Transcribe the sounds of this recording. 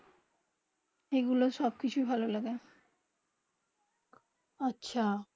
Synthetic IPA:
eɡuloʃɔb̚kit͡ɕʰubʱalolaɡe | atːɕʰa

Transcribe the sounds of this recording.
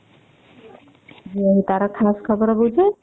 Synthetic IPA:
d͡ʒiəɦit̪aɾɔkʰaskʰəbəɾbud͡ʒʱe

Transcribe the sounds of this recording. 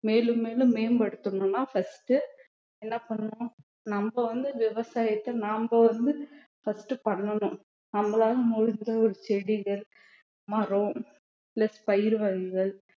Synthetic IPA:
meːlɯmːeːlɯ̃mːeːmbɐɽɯt̪ːɯɳʊ̃nːaːfɐsʈɯ | ɛnːɐpɐɳːʊ̃ | nɐmbɐʋɐnd̪ɯʋɪʋɐsaːjɐt̪ːɐnaːmbɐʋɐnd̪ɯ | fɐsʈɯpɐɳːɐnʊ̃ | nɐmːɐɭaːɣɐmɔɻɯnd̪ɐɔɾɯt͡ʃɛɽɪɣɐɭ | mɐɾõː | plɛspɐjɪɾʋɐɣɪɣɐɭ

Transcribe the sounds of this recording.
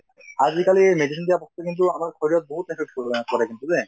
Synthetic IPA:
azikalimedisʰindijapɔstɔkint̬ʊamaɹkʰɔɹijɔt̚boɦut̚ːɛkʰikkɔɹakintuzɛ

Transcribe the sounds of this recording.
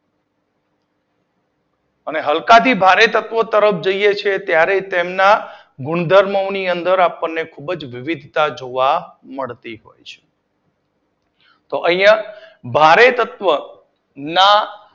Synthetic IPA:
əneɦəlkat̪ʰibʱaɾet̪ət̪ʋət̪əɾəfʰd͡ʒəijet͡ʃʰet̪jaɾet̪emna | ɡʊɳd̪ʱəɾməwniənd̪əɾapənːekʰubd͡ʒʋɪʋid̪ʱt̪ad͡ʒoʋaməɭt̪iɦo̰jt͡ʃʰe̥ | t̪oʔə̃jjabʱaɾet̪ət̪ʋə | na

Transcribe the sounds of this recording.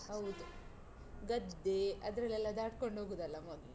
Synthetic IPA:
ɦɐwd̪u | ɡɐd̪ːeɐ̰d̪ɾɐlːɛlːɐd̪aːʈko̞ɳɖɦoːɡud̪ɐlːɐmod̪

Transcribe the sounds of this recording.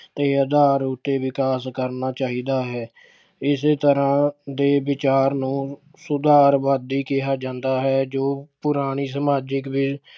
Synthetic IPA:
t̪eːəd̪aːɾʊt̪ːeːʋɪkaːskəɾnaːt͡ʃaːɦiːd̪aːɦɛː | ɪseːt̪əɾãːd̪eːʋɪt͡ʃaːɾnũː | sʊd̪aːɾʋaːd̪iːkɪaːd͡ʒãːnd̪aːɦɛːd͡ʒoːpʊɾaːɽ̃iːsəmaːd͡ʒəkbi

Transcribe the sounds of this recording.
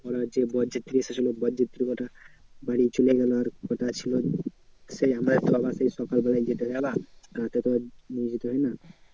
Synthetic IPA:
pɔɾɔd͡ʒebɔd͡ʒit̪ɾisʰesʰilobɔd͡ʒit̪ɾikɔʈabaɽit͡ʃuleɡalːɾkɔʈat͡ʃʰilo | seɦamɾat̪ɔbasaisɔkalbɔlajd͡ʒet̪eɡabaat̪et̪ʰɔanid͡ʒit̪oɦɔjna

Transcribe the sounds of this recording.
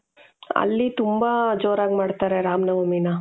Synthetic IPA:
ɐ̰lːit̪umbad͡ʒoːɾaːɡmaːɖt̪aːɾeɾaːmnɐʋɐmina

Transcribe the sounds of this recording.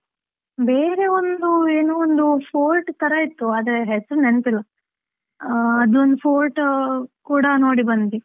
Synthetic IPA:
be̞ːɾe̞ond̪ueːnuːond̪upʰoːlʈk̪ɐɾɐit̪ːuaːd̪ɐɾeɦesɐɾunenp̪ilːɐ | ɐd̪uond̪upʰoːlʈkuːɽɐno̞ːɽibɐnt̪i

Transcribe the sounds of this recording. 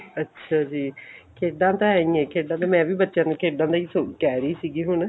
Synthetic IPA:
ətːʃʰaːd͡ʒiːkʰeːɖãːt̪ãːɦɛːĩːɛ̃ːkʰeːɖãːt̪ãːmɛ̃ːʋiːbətːʃãːnũːkʰeːɖãːd̪aːiːsokɛːɾiːsiːɡiːɦʊɳ

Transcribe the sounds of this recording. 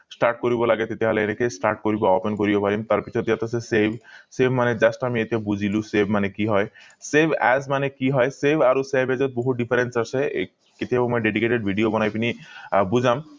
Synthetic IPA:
sʈaɾʈ̚koɾibolaɡet̪et̪eɦɔleeɾekesʈaɾʈ̚koɾibaɔpenkoɾibobaɾimt̪aɾpit͡ɕʰot̪jat̪asʰesebʱsebʱmaned͡ʑasʈamiet̪bud͡ʑʱilusebʱmanekiɦɔesebʱɛ̰zmanekiɦɔesebʱaɾosebed͡ʑot̪̚boɦuɖifʰaɾensasʰe | ket̪eɦabomɔjɖeɖikeʈeɖbʱiɖiobɔnajpinibud͡ʑʱam

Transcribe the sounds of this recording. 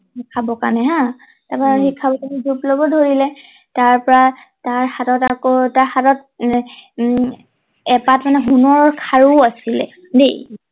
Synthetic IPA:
ikʰabɔka̰nɛɦã | tapaxikʰːabɔkanizuplɔbɔdʱoɹilɛ | taɹpɔɹa | taɹxatɔtakɔtaɹxatɔt̚ | ɛpatmanɛɦunɔɹɔɹkʰaɹuasilɛ̰ | dḛ

